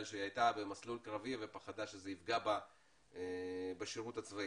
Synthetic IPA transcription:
lʃeajt̪abe̞maslulkʁavivepaχad̪aʃezeifɡaba | ebeʃiʁut̪at͡svai

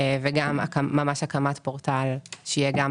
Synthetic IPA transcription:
veɡama̰kaːamaʃakamat̪poʁt̪alʃeijeɡam

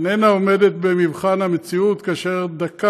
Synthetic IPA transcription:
nenaome̞d̪et̪̚bemivχanhamet͡siut̪kaːʃe̞ʁd̪aka

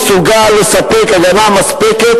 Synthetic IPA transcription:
suɡalesɐpekɐɡɐnamɐspeke

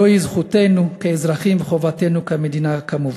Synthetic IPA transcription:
ojizχutenukeezʁaχimveχo̞vate̞nukamed̪inakamuv

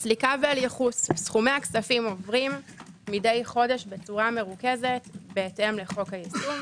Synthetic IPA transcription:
slikavealjeχussχumeaksafimo̞vʁimː | ide̞jχo̞deʃbet͡suʁame̞ʁuke̞ze̞tbeːtemleχo̞khajisu

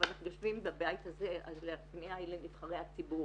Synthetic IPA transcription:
anaχnujaʃvimbabajit̪azeazleatpneaelenlitχaʁejhat͡sibuʁ

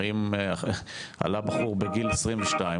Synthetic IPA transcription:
im | a̰labaχuʁbeɡilesʁimveʃtai

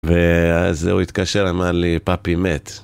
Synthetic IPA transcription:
vezeuit̪kaʃeʁamadlipapimet̪

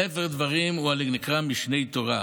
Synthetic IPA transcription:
efeʁd̪vaʁimualiɡnikʁamiʃnejt̪oʁa

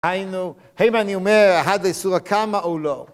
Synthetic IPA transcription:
hajnu | haimaniomeʁaɦad̪laisuʁakʰamaʔolo

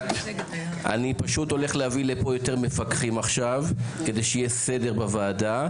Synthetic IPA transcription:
a̰nipaʃuto̞le̞χlehavilepo̞jo̞te̞ʁme̞fakχimaχʃavke̞de̞jʃijese̞de̞ʁbavaːda

